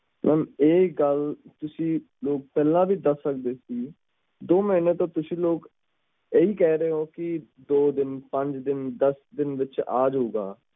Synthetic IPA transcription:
mʔɛːmeːɡəlt̪ʊsĩː | loːk̚pɛːlãːbiːd̪əsːəkd̪eːsiː | d̪oːmiːneːt̪õːt̪ʊsĩːloːk | eːiːkɛːɾeːɦoːkɪ | d̪oːd̪ɪnpə̃ɲd͡ʒd̪ɪnd̪əsd̪ɪnʋɪt͡ʃaːd͡ʒɦoːɡaː

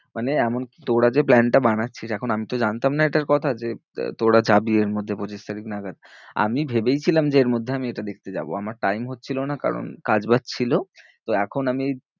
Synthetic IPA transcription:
maneɛmonki̥t̪oɽad͡ʑeplɛnʈabanatːɕʰiʃɛkʰonamit̪od͡ʑant̪amnaeʈaɾkɔt̪ʰad͡ʑet̪oɽad͡ʑabieɾmod̪ʱːepot͡ɕiʃt̪aɾiknaɡad̪ | a̰mibʱebejt͡ɕʰilamd͡ʑeeɾmod̪ʱːeamieʈad̪ek̚ʰt̪ed͡ʑa̰bo̰amaɾʈajmɦot̪ːt͡ɕʰilonaka̰ɾo̰nkad͡ʑbatt͡ɕʰilot̪oɛkʰonami

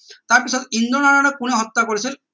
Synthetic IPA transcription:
t̪aɹpisɔtind̪ɔnananɔkunɛɦɔt̪ːakoɹisil

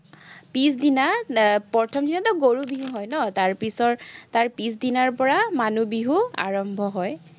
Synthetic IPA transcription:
pisdinapɔɹtʰɔmdinatɔɡoɹubiɦuɦɔjnɔtaɹpisɔɹtaɹpisdinaɹpɔɹamanubiɦua̰ɹɔmbʱɔɦɔj

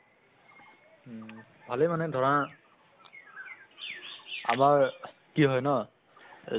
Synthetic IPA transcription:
bʱalemanɛdʱɔɹã | a̰maɹ | kiɦɔjnɔ

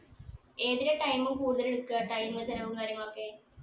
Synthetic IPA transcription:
e̞ːðiɾeʈɐjmumkuːɽuðɐleɽukːuaːʈːaːjilŋːɐt͡ɕɐlɐmuɖukaːɾjɐŋːɐɭo̞kːe

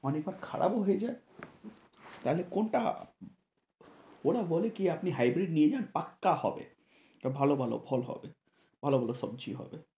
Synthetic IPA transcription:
ɔnek̚baɾkʰa̰ɽʔa̰bɦojed͡ʑae | t̪aɦlekonʈa̰ | oɽabɔlekiapniɦajbɾiɖnied͡ʑanpakːahɔbḛ | ʈabʱalobʱalo̰bʱɔlɦɔ̰be | b̥ʱalobʱaloʃɔbd͡ʑiɦɔ̰be

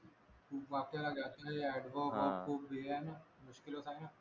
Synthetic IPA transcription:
ʋaːkjalaɡd͡ʒaːt̪aɦɛɛːɖʋaːbapkobʱeɛnaːmʊʃkɪlosaːnãː

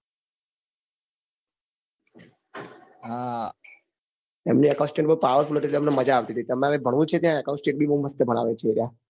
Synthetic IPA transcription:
ɦa | emniəkãũsʈẽɳʈ̚bəupaʋəɾfulɦəɾeliemneməd͡ʒaːʋt̪it̪ʰit̪əmneaʋebʱəɽʋũt͡ʃʰet̪jãəkãũnsʈẽɳʈ̚bʱibəuməst̪ebʱəɽ̃a̰ʋet͡ʃʰeɾa

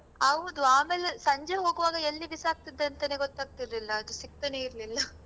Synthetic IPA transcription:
ɐʋd̪uaːmeːlesɐɲd͡ʒeɦo̞ːɡuʋaːɡɐelːibisaːɡ̚t̪id̪ːɐnt̪ɐneːɡot̪ːaːɡ̚t̪iɾlilːɐːd̪usik̚t̪ɐneiɾlilːɐ

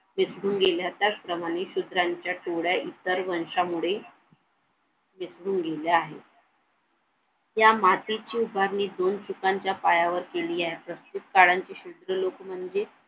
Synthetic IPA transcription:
misɽuːnɡeljat̪jat͡spɾəmaɽ̃eɕud̪ɾaɲt͡ɕjaʈoɽjaʔit̪əɾʋəɳʂamuɭe | misɽuːnɡʱeljaaɦe | jamat̪it͡ɕiːubʱaɾniːd̪ont͡ɕukaɲt͡ɕjapajaʋəɾkeliːaɦepɾəst̪ut̪̚kaɽaɲt͡ɕiɕud̪ɾəlokm̤əɳd͡ze

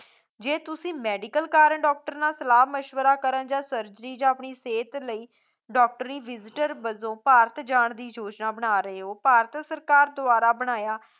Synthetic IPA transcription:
d͡ʒeːt̪ʊsĩːmɛːɖikəlkaːɾəɳɖɔːk̚ʈəɾnaːsəlaːməʃʋəɾaːkəɾənd͡ʒãːsəɾd͡ʒəɾiːd͡ʒãːəpɳiːseːt̪ləiː | ɖɔːk̚ʈəɾiːʋɪzɪʈəɾbəzõːpaːɾət̪d͡ʒaːɳd̪iːd͡ʒoːd͡ʒnaːbəɽ̃aːɾəɦeːɦoːpaːɾət̪səɾkaːɾd̪ʊaːɾaːbəɽ̃aːjaː

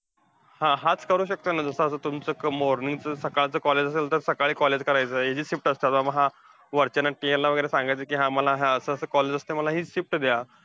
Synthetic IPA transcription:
hãɦat͡skəɾuːɕək̚t̪ənad͡zəsəːsəːt̪umt͡səkəmoɾnĩŋɡt͡səsəkaɭt͡səːkɔled͡ʑəs̬elt̪əɾsəkaɭiːkɔled͡ʑkəɾajt͡səːed͡ʑiːsifʈəst̪at̪ʋaməɦã | ʋəɾt͡ɕanːaʈijelːaʋəɡəjɾesãŋɡajt͡səkiːɦãməlaɦaəsəəsəkɔled͡zəst̪eməlaɦiːɕifʈd̪ja

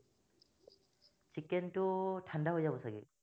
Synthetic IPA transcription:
t͡ʃikːentutʰandaɦojzabɔsaɡḭ

